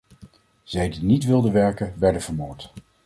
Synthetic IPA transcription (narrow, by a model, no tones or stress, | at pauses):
z̥ɛjdinitʋɪlˠdəʋɛɹkənʋɛɹdənvəɹmoːɹt